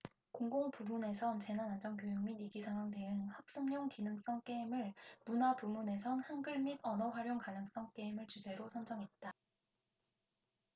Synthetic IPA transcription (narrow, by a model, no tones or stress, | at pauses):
koŋɡoŋpumune̞sʰʌnt͡ɕe̞nanand͡ʑʌŋkjojɯŋminiɡisʰaŋwaŋde̞ɯnhak̚s͈ɯmɲoŋkinɯŋs͈ʌŋk͈e̞imɯɭmunapumune̞sʰʌnhanɡɯɭmidʌnʌɸwaɾjoŋkanɯŋs͈ʌŋk͈e̞imɯɭt͡ɕud͡ʑe̞ɾosʰʌnd͡ʑʌŋɦe̞t̚t͈a